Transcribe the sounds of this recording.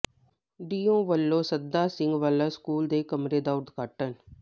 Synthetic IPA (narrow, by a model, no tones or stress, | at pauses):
ɖiːõːʋəlːõːsəd̪aːsɪ̃ŋɡʋaːləskuːld̪eːkəmɾeːd̪aːʊɾd̪ɡaːʈən